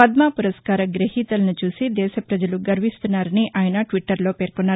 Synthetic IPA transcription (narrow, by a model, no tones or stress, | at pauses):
ɐd̪maːpuɾɐskaːɾɐɡɾɐhiːt̪ɐlɐnut͡ʃuːsid̪ɛːʃɐpɾɐd͡ʒɐluɡɐɾʋist̪unːaːɾɐniʔaːjɐnɐʈʋiʈːɐɾlo̞ːpeːɾkonːaː